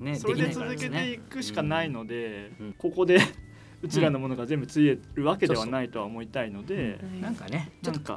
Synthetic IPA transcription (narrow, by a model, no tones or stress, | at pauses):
nsoe̞d̪et͡sɨzɨtke̞e̞ikɯ̟ɕi̥kanaino̞d̪e̞ko̞ko̞d̪e̞ | ɯ̟t͡ɕiɾanːomo̞no̞ɡazẽ̞mbɯ̟t͡sɨieɾɯ̟βake̞d̪e̞β̞anait̪o̞aomo̞it̪aino̞d̪e̞nãŋknnãŋka̰